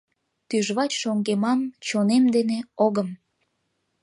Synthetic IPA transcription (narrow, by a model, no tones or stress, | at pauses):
t̪yʒβɑt͡ɕʃoŋɡemɑmt͡ɕonemd̪eneoɣəm